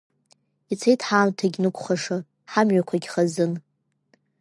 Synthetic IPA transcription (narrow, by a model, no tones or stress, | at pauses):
it͡sʰejtʰħaːmtʰaɡʲnɨkʷʰʼχaʂɨ | ħamɥakʷʰaɡʲχazɨn